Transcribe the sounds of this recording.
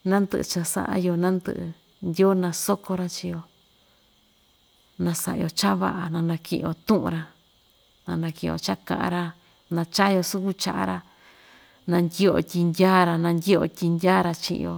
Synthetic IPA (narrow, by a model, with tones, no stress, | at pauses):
nã˦nd̪ɨ̰˧ʔɨ̰˧t͡ʃa˧sa̰˧˦ʔa̰˧jo˧nã˦nd̪ɨ̰˧ʔɨ˧ | ndʲo˦nã˧so˦ko˧ɾa˧t͡ʃi˧jo˧ | nã˧sa˧ʔjo˧t͡ʃa˦βa̰˧ʔa˧nã˧nã˧kḭ̃˧ʔo˧t̪ũ˦ʔṵ̃˧ɾa˧ | nã˧nã˧kĩ˧˨˧o̰˧t͡ʃa˦kã̰˧ʔã̰˧ɾa˧ | nã˧t͡ʃa˦jo˧su˦ku˦t͡ʃa˧ʔa̰˧ɾa˧ | nã˧ndʲi˦o̰˧tʲi˧ndʲaː˦ɾa˧nã˧ndʲi˦o̰˧tʲi˧ndʲaː˦ɾa˧t͡ʃḭ̃˧ʔjo̰˧